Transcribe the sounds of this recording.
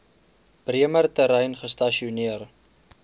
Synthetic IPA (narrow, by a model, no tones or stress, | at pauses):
b̥riəmərtəɾəjnχəstɐʃiuniər